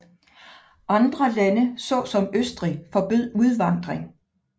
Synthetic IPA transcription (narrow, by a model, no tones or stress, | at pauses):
ʔɑ̈nd̥ʁɐlænəsɒ̰̽ːsɒ̽møsd̥ʁifɒ̽b̥øð̞̰ˠuð̞ˠʋɑ̈n̰d̥ʁeŋ